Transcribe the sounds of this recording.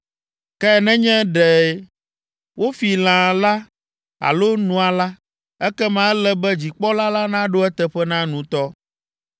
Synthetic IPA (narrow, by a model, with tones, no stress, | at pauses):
kɛ˦˨nɛ̃˦ɲɛ̃˦ɖɛ˨ | wo˦fi˨l̃ã˨la˦ | a̰˨lo˦nũ˨a˨la˦ | ɛ˦kɛ˦mã˦lɛ˦bɛ˦d͡ʑi˨k͡pɔ˦la˦la˦nã˦ɖo˦ɛ˦t̪ɛ˨ɸɛ˦nã˦nũ˨t̪ɔ˦